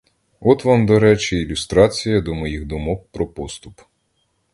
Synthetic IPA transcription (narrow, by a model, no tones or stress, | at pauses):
ɔt̪ʋɑmd̪ɔɾɛt͡ʃiːlʲʊst̪ɾɑt͡sʲijɐd̪ɔmɔjiɣd̪ɔmɔwpɾɔpɔst̪ʊp